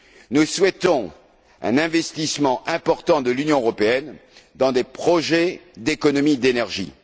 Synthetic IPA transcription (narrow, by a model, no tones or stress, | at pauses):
nuswɛt̪ɔ̃ | ɛ̰̃nɛ̃vɛst̪ismɑ̃ʔɛ̃pɔʁt̪ɑ̃d̪əlynjɔ̃øʁɔpeɛnd̪ɑ̃d̪epχɔʒɛd̪ekɔnɔmid̪enɛʁʒḭ